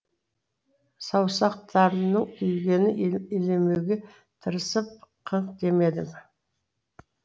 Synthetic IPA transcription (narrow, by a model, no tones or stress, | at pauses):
sɑwsɑq̚t̪ɑɾənəɴʰʏjɡʲe̞nɪelemewɡʲe | t̪ʰəɾəsəp̚qʰəɴqd̪e̞me̞d̪ɪm